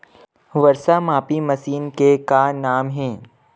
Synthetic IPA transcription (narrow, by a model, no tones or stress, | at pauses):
ʋɐɾsamaːpimɐsiːnkekanaːmɦɛ̃ː